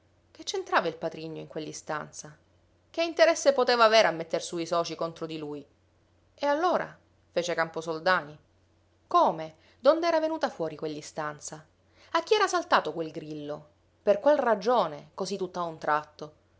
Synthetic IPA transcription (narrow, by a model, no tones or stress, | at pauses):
k̟et͡ʃːent̪ɾaːvailpat̪ɾiɲːoiŋkwelːist̪a̰nt̪sa | k̟eint̪eɾɛsːepot̪eːvaːveːɾamːet̪ːersuisɔːt͡ʃikont̪ɾod̪iluːj | ealːoːɾa̰ | feːt͡ʃekamposold̪aːni | koːme | d̪ond̪ɛːɾavenuːt̪afwɔːɾikwelːist̪ant̪sa | akːiɛːɾasalt̪aːt̪okwelɡɾilːo | perkwelrad͡ʒoːnekozit̪ːut̪ːaunt̪ɾʔat̪ːo